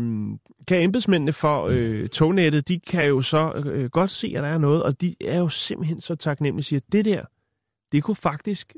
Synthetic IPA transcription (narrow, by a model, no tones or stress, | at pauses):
kʰæemb̥esmen̰nəfɒ̽øt͡sʰoʊneɾ̥ð̩ˠd̥ikʰæjo̝sɒ̽ɡ̥ɒ̽d̥se̝̰ːæd̥ɑ̈æɐnɔ̽ːð̞̩ˠɒ̽d̥iæɐjo̝se̝mb̥l̩ɦen̰sɒ̽t͡sʰɑ̈ɡ̥nem̰lisiːɐd̥e̝d̥eɐ̰ | d̥e̝kʰufɑ̈ɡ̥d̥isɡ̥